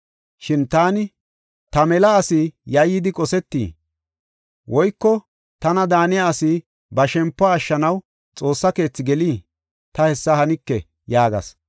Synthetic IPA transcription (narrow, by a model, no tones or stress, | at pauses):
ʃɪnt̪aːnɪ | t̪ɐmɛlɐːsɪjɐjːɪd̪ɪkʼɔsɛt̪ːḭː | wʔɔjkːɔ | t̪ɐnɐd̪aːnɪjɐːsɪ | bɐʃɛmpːaːʃːɐnɐw | t͡sʼo̞ːsːɐke̞ːt͡sːɪɡɛliː | t̪ɐhɛsːɐhɐnɪkːɛ | jaːɡɐ̰s